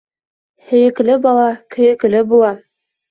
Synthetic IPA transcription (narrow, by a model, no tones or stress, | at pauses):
hɘ̆jɘ̆klɘbɑlˠɑkɵ̆jɘ̆klɘbulˠɑ